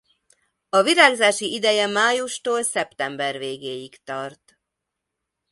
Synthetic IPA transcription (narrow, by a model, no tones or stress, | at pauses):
ɒviɾaːɡzaːʃiid̪ɛjɛmaːjuʃt̪oːlsɛpt̪ɛmbɛrveːɡeːjikt̪ɒrt̪